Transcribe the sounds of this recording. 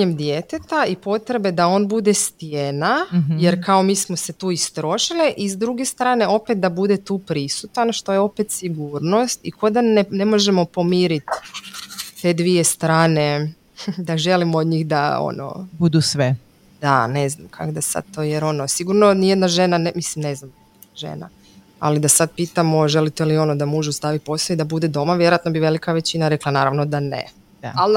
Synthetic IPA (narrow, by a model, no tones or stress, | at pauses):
ɲemd̪jet̪et̪aipo̞t̪ɾe̞be̞d̪ao̞nbud̪e̞st̪jenajeɾkaomiːsmose̞t̪uːist̪ɾo̞ʃiliʔizd̪ɾuɡe̞st̪ɾaːne̞o̞pet̪̚d̪abud̪e̞t̪uːpɾisut̪anʃt̪o̞jeo̞pet̪siɡuːɾno̞st̪ikʰod̪anenemo̞ʒemo̞po̞miːɾit̪ | t̪e̞ːd̪ʋije̞st̪ɾaːne̞ | d̪aʒe̞limood̪ɲiːxd̪a̰o̰no̰bud̪usʋe | d̪̥ane̞znamkʰa̰kd̪asa̰d̪̚t̪o̞jeɾo̞nosiɡuɾno̞nijed̪naʒe̞nanemislimneznamd̪ | ʒḛna̰ | a̰lid̪asad̪piːt̪amo̞ʒe̞lit̪elio̞nod̪amuːʒust̪aːʋipo̞sˠoid̪abud̪e̞d̪o̞maʋje̞ɾojat̪no̞biʋe̞likaʋe̞t͡ɕinaɾeklˠanaːɾaʋno̞d̪anḛ | al